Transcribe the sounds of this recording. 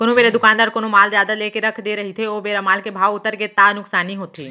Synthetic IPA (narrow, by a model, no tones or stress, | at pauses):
konõbeːɾed̪ʊkaːnd̪aːɾkoːnomaːlzjaːd̪aleːkeɾɐkʰd̪eːɾɐɦit̪ʰeoːbeːɾamaːlkebʱaːʋʊt̪ːəɾket̪aːnʊksaːniɦoːt̪iː